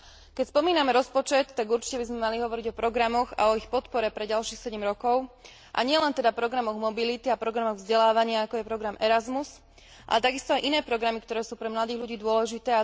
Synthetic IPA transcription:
kɛcspɔmiːnamɛɾɔspɔt͡ʃɛt̪ːaɡuɾt͡ʃi̥cɛbizmɛmaliɦɔʋɔɾiɟɔpɾɔɡɾamɔɣa̰ɔixpɔt̪pɔɾɛpɾɛɟalʃiːxsɛɟɛmɾɔkɔʊ | ʔa̰ɲɪɛlɛnt̪ɛd̪apɾɔɡɾamɔɣmɔbilit̪iapɾɔɡɾamɔɣvzɟɛlaːʋaɲɪaakɔjɛpɾɔɡɾamɛɾazmus | ʔa̰lɛt̪aɡist̪ɔajʔinɛːpɾɔɡɾamikt̪ɔɾɛːsuːpɾɛmlad̪iːɣʎuɟiːd̪ʊɔlɛʒit̪ɛːa

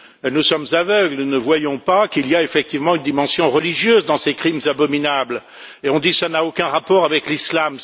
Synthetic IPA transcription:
nusɔmzavœɡlunəvwajɔ̃pakilijaefɛk̚t̪ivmɑ̃ynd̪imɑ̃sjɔ̃ʁəliʒjøzd̪ɑ̃sekχimzabɔminabl | eɔ̃d̪isanaokʲɛ̃ʁapɔʁavɛklislam

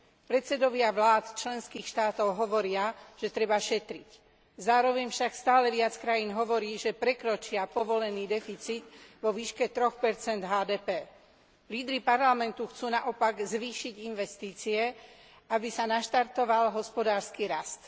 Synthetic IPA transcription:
pɾɛt̪t͡sɛd̪ɔʋɪaʋlaːt̪t͡ʃlɛnskiːxʃt̪aːt̪ɔʊɦɔʋɔɾɪaʒ̥ɛt̪ɾɛbaʃɛt̪ɾic | zaːɾɔʋɛɲfʃakst̪aːlɛʋɪat͡skɾajiːnɦɔʋɔɾiːʒɛpɾɛkɾɔt͡ʃɪapɔʋɔlɛniːd̪ɛfit͡sid̪ʋɔʋiːʃkɛt̪ɾɔxpɛɾt͡sɛnd̪ɦaːd̪ɛːpɛː | liːd̪ɾipaɾlamɛnt̪uxt͡suːnaʔɔpaɡzʋiːʃiɟinʋɛst̪iːt͡siɛ | abisanaʃt̪aɾt̪ɔʋalɦɔspɔd̪aːɾskiɾast̪

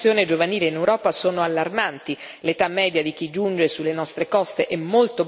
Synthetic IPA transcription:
joːned͡ʒovaniːleinewɾɔːpasoːnoalːarmant̪i | let̪amːɛːd̪jad̪ik̟id͡ʒund͡ʒesulːenɔst̪ɾekɔst̪eʔɛmːolt̪o

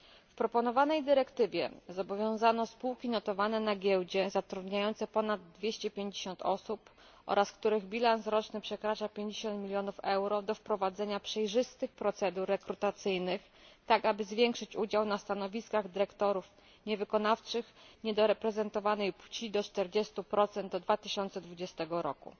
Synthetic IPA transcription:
fpɾɔpɔn̪ɔvanɛjd̪ɘɾɛkt̪ɘvʲjɛ̰zɔbɔvʲjɔ̃w̃zanɔspuwkʲinɔt̪ɔvanɛnaɡʲjɛwd͡ʑɛzat̪ɾud̪ɲajɔnt̪sɛpɔnad̪̚ːvʲjeɕt͡ɕɛpʲjeɲd͡ʑeɕɔnt̪ɔ̰sup | ʔɔ̰ɾaskt̪uɾɘɣbʲilansɾɔt͡ʂnɘpʂɛkɾat͡ʂapʲjeɲd͡ʑeɕɔnt̪mʲilʲjɔnufɛwɾɔd̪ɔfpɾɔvad̪zɛɲapʂɛjʐɘst̪ɘxpɾɔt̪sɛd̪uɾːɛkɾut̪at̪sɘjnɘx | t̪akabɘzvʲjɛŋkʂɘt͡ɕud͡ʑawnast̪anɔvʲiskaɣd̪ɘɾɛkt̪ɔɾuf | ɲɛvɘkɔnaft͡ʂɘxɲɛd̪ɔɾɛpɾɛzɛnt̪ɔvanɛjpwt͡ɕid̪ɔt͡ʂt̪ɛɾd͡ʑɛst̪upɾɔt̪sɛnɔd̪vat̪ɘɕɔnt̪sɛd̪vud͡ʑɛst̪ɛɡɔɾɔkṵ

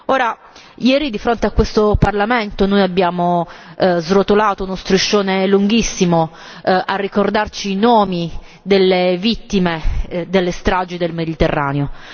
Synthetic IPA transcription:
oːɾa | jɛːɾid̪ifɾont̪eakːwest̪oparlament̪onojabːjaːmo | zrot̪olaːt̪ounost̪ɾuʃːoːneluŋɡisːimo | ʔarːikord̪art͡ʃiːnoːmi | d̪elːevit̪ːimed̪elːest̪ɾad͡ʒid̪elmed̪it̪erːa̰ːneo

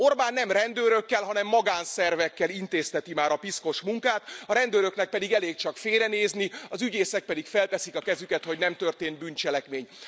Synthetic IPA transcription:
o̞rbaːnːɛmrɛnd̪øːɾøkːɛlɦɒnɛmːɒɡaːnsɛrvɛkːɛlint̪eːst̪ɛt̪imaːɾɒpisko̞ʃmuŋkaːt̪ɒɾɛnd̪øːɾø̞knɛk̚pɛd̪iɡɛleːkt͡ʃɒkfeːɾɛneːzniɒzyɟeːsɛk̚pɛd̪ikfɛlp̪ɛsikɒkɛzykɛt̪ho̞ɟnɛmt̪ørt̪eːnt̪̚bynt͡ʃɛlɛkmeːɲ

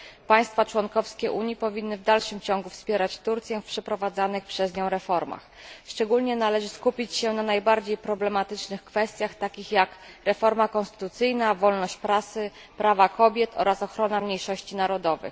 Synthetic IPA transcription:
paj̃st̪fat͡ʂwɔŋkɔfskʲɛʔuɲjipɔvʲinːɘvd̪alʂɘmt͡ɕɔŋɡufspʲjɛɾat͡ɕt̪uɾt̪sʲjɛfpʂɛpɾɔvad̪zanɘxpʂɛzɲɔ̃w̃ɾɛfɔɾma̰x | ʂt͡ʂɛɡulɲɛnalɛʐɘskupʲit͡ɕɕɛnanajbaɾd͡ʑejpɾɔblɛmat̪ɘt͡ʂnɘxkfɛst̪ʲjaxt̪akʲixjakɾɛfɔɾmakɔ̃nst̪ɘ̥t̪ut̪sɘjnavɔlnɔɕt͡ɕpɾasɘ | pɾavakɔbʲjɛt̪ʰɔ̰ɾasɔxɾɔnamɲejʂɔɕt͡ɕinaɾɔd̪ɔvɘ̰x

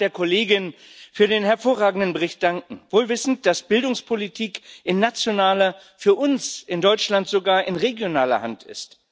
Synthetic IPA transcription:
d̥eːɐkʰoleːɡɪnfyːɐdeːnɦɛɐfoːɐʁ̞aːɡŋ̩dən̩bəʁɪçt̚d̥aŋkŋ̩voːlvɪsn̩t̚d̥asb̥ɪldʊŋspʰolitʰiːkʔɪnːat͡sjonaːlɐ | fyːɐʔʊnsɪndɔʏt͡ʃlantz̥oɡaːɐʔɪnʁeɡjonaːlɐ̰ha̰ntɪ̰st

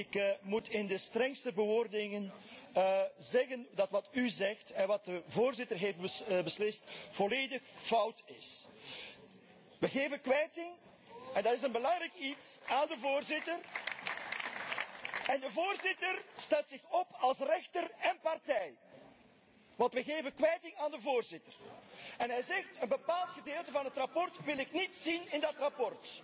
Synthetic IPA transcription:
ɪkmutɪndəstrɛŋstəbəʋoːrdɪŋən | zɛɣəndɑtʋɑtyzɛxtɛnʋɑt̚dəvoːrzɪtərɦeːft̚bəbəslɪstv̥ɔleːdəxfʌwtɪs | ʋəɣeːvənkʋɛjtɪŋ | ɛndɑtɪsənbəlɑŋɾɛjkitsaːndəvoːrzɪtər | ɛndəvoːrzɪtərstɛlˠtsɪxɔpɑlˠsrɛxtərɛnpɑrtɛj | ʋɑntʋəɣeːvənkʋɛjtɪŋaːndəvoːrzɪtərɛnɦɛjzɛxtənbəpaːlˠtxədeːlˠtəvɑnɦətrapɔrtʋɪlɪknitsinɪndɑtrapɔrt

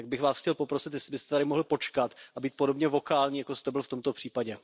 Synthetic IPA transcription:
t̪aɡ̚bɪxvaːsxcɛlpo̞pɾosɪt̪jɛslɪbɪst̪ɛt̪aɾɪmo̞ɦlɪpo̞t͡ʃkat̪ʔabiːt̪̚podo̞bɲɛvo̞kaːlɲiːjakost̪ɛbɪlft̪o̞mt̪o̞pr̥iːpaɟɛ

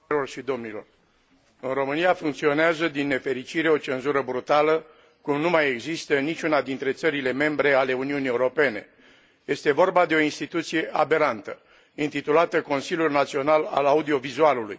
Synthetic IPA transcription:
lo̞rʃid̪o̞mnilo̞̰r | ɨnro̞mɨnijafuŋkt̪sio̞neazəd̪inːe̞fe̞ɾit͡ʃiɾe̞o̞t͡ʃe̞nzuɾəbɾut̪alə | kumnumaje̞ɡzist̪ənit͡ʃʲunad̪int̪ɾe̞t̪səɾile̞me̞mbɾe̞ale̞uniunie̞uɾo̞pe̞ne̞̰ | je̞st̪e̞vo̞rbad̪e̞o̞inst̪it̪ut̪sije̞ʔabe̞ɾant̪ə | int̪it̪ulat̪əko̞nsilʲjulnat̪sio̞nala̰laud̪io̞vizualuluj

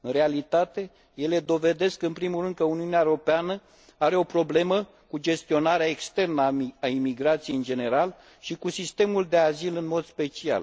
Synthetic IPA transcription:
ɨnre̞alit̪at̪e̞ | je̞le̞d̪o̞ve̞d̪e̞skɨnpɾimulrɨnd̪̚kəuniuneaeɾo̞peanə | aɾe̞o̞pɾo̞ble̞mə | kud͡ʒe̞st̪io̞naɾeaekst̪e̞rnəaaimiɡɾat̪sijeɨnd͡ʒe̞ne̞ɾal | ʃikusist̪e̞muld̪e̞azilɨnmo̞d̪spe̞t͡ʃia̰l

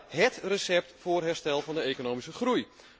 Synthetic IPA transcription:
ɦɛtrəsɛp̚tfoːrɦɛrstɛlˠvɑndəekonoːmisəχruj

